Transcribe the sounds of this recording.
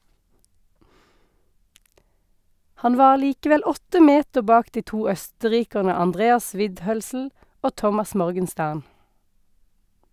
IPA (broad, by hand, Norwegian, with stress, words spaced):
ˈhɑn ˈʋɑːʁ ˈliːkəʋɛl ˈɔtə ˈmeːtə ˈbɑːk ˈdiː ˈtuː ˈœstəˌʁiːkəʁnə ɑnˈdʁeːɑs ˈʋɪdˌhœlsl̩ ˈoː ˈtɔmɑs ˈmɔʁɡənˌstæʁn